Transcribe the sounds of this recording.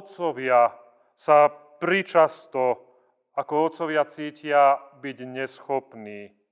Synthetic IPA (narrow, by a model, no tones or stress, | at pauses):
ɔt͡sɔʋɪa | sa | pɾit͡ʃast̪ɔ | akɔɔt̪t͡sɔʋɪat͡siːcɪabiɟɲɛsxɔpniː